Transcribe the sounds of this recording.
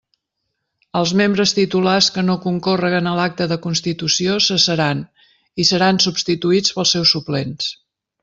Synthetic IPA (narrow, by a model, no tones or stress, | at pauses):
əlˠzmembɾəst̪it̪ulaskənokuŋkorəɣ̞ənəlak̚t̪əðəkunst̪it̪usiosəsəɾan | isəɾansubst̪it̪uit͡spəlˠsːɛwsuplens